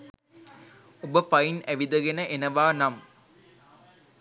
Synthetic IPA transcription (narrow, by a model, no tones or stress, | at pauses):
ubəpɐjinæʋid̪ɐɡenəʔenɐʋaːnɐm